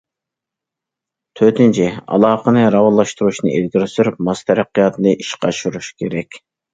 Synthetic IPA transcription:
t̪ʰøt̪ynt͡ʃʰɛɑ̰lˠɑːqənɨɾɑwɑlˠːɑʃt̪uɾuʃnɨʔelɡʲiɾɪsyɾyp̚mɑst̪ʰɛɾæqːijɑt̪ʰɨnɨʔiʃqʰɑʃuɾuʃkʲʰeɾɛkʲ

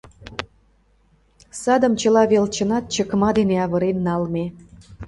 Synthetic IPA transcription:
sɑd̪əmt͡ɕəlɑβelt͡ɕənɑt̪̚t͡ɕəkmɑd̪eneɑβəɾenːɑlme

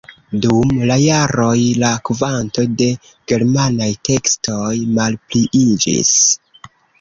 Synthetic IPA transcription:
dumlajaɾo̞jlakvanto̞de̞ | ɡ̥e̞ɾmanajtʰe̞ksto̞jmalpliʔid͡ʒḭs

